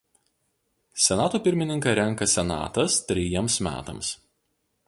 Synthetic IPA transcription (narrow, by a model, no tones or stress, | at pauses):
sʲɛnɑːt̪oːpʲɪɾʲmʲɪnʲɪŋkɐɾʲɛŋˑkɐsʲɛnɑ̰ːt̪ɐst̪ʲɾʲɪjiɛmsmʲæ̰ːt̪ɐ̰ms